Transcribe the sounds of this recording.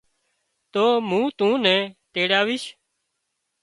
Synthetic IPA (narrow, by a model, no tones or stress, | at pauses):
t̪oːmũːt̪ũːnɛ̃ːt̪eːɽaːʋɪːʃ